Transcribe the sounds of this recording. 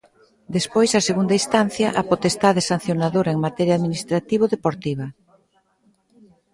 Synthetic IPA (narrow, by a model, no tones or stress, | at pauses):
d̪espojsaseɣund̪aist̪an̟θjɐʔapot̪est̪aðesan̟θjonaðoɾɐeŋmat̪ɛɾjaðminist̪ɾat̪iβ̞oðepoɾt̪iβ̞ɐ